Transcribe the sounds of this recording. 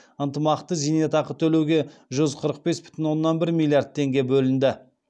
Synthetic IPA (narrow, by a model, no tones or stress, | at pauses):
ənt̪əmɑqt̪əzijnet̪ɑqət̪ʰɵle̞wɡʲe̞ʒʏzqʰəɾəq̚be̞sbɪ̥t̪ɪnwo̞nːɑnbɪɾmʲilʲˠjard̪̚t̪ʰːe̞ŋɡʲe̞bɵlɪnd̪ɪ